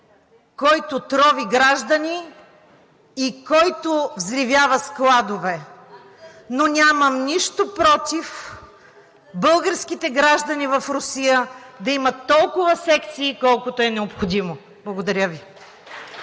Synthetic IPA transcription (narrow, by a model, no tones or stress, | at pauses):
kɔjt̪ʊt̪ɾɔviɡɾaʒd̪ɐni | kɔjt̪ovzɾivjavɐsklˠad̪ovɛ | nonʲamɐmniʃt̪opɾɔt̪if | bɤlˠɡəɾsk̟it̪ɛɡɾaʒd̪ɐnivɐfɾʊsijəd̪ɐimɐt̪ːɔlˠkʊvɐsɛkt̪siːkɔlˠkʊt̪ʊɛnɛopxod̪imo | blˠɐɡod̪ɐɾʲəvi